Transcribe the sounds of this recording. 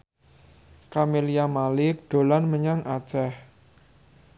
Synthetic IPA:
kamelijamalɪk̚ɖ̪̥o̤lanməɲaŋʔḁt͡ʃɛh

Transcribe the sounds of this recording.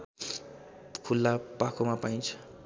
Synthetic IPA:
kʰulːapakʰomapajnt͡ʃʰ

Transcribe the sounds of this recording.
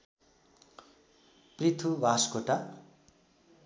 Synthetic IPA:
prit̪ʰubʱaskoʈa

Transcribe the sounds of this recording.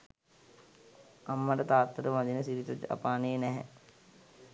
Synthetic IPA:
amːəʈət̪aːt̪ːəɾəʋad̪inəsiɾit̪od͡ʒa̰paːneːnɛɦɛ̰

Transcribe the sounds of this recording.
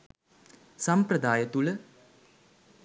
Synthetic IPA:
sɐmpɾɐd̪aːjɐt̪uɭə

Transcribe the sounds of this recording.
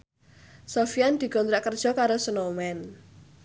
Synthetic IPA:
sofiand̪̥i̤ɡ̥ɔnt̪ɾaʔkərd̥ʒ̥ɔ̤kaɾosənomɛn

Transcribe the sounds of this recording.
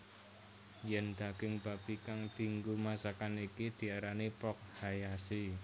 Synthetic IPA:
jɛnd̪̥a̤ɡ̥ɪŋb̥a̤b̥i̤kaŋd̪̥i̤ŋɡumasakanikid̪̥i̤aɾanipɔk̚hajasi

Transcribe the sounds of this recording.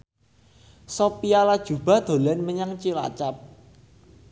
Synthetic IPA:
sopialad̥ʒ̥ṳb̥a̤d̪̥o̤lɛnməɲaŋt͡ʃila̰t͡ʃap̚

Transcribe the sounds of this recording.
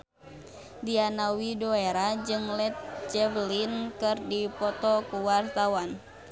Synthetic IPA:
dianawidoeɾad͡ʒɨŋlɛt̪̚t͡ʃɛvlinkɨrdipɔt̪ɔkuwart̪awan

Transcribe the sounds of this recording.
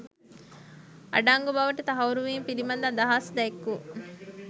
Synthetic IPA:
ʔɐ̰ɖaːŋɡubɐʋɐʈɐt̪ɐɦɐuɾuʋiːmpilimɐnd̪aːd̪ɐɦaːsd̪ɛekːuː

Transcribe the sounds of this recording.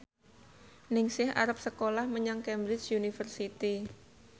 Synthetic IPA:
nɪŋsɪha̰ɾap̚səkolahməɲaŋkɛmbɾɪt͡ʃjunifərsit̪i

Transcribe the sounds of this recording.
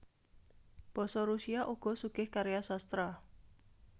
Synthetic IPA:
b̥ɔ̤sɔɾusiaʔuɡ̥ɔ̤suɡ̥ɪhkaɾejasast̪ɾa

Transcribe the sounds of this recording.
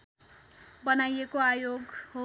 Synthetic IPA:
bʌnajekoajoɡho

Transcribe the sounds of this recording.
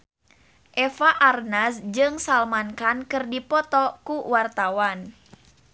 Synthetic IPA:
ʔɛfaʔarnasd͡ʒɨŋsalmankankɨrdipɔt̪ɔkuwart̪awan

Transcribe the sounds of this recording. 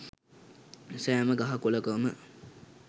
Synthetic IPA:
sɛaməɡaɦakuləkəmə

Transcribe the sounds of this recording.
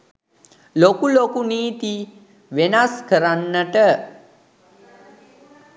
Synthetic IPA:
lokulokuniːt̪i | ʋenaskəɾanːəʈə

